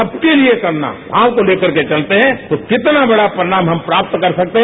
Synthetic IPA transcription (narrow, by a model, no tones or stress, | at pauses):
ɐb̚keliekɐɾna̰ | ãːwkoleːkɐɾket͡ʃɐlt̪eɦɛ̃t̪okɪt̪nabɐɽapɾɐɪɽ̃aːmɦɐ̃mpɾaːp̚t̪kɐɾsɐk̚t̪eɦɛ